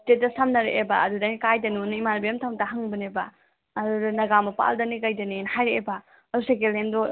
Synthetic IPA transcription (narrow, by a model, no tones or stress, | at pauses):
tetdɐsamnɐɾeʔebɐ̰ɐdudɐnikajdɐniunimanbijɐmtʰawntaɦɐŋbɐnebɐ | ɐdudɐnɐɡamɐpa̰ldɐnikajdɐninhajɾeebɐ | ɐːdusekelendɔ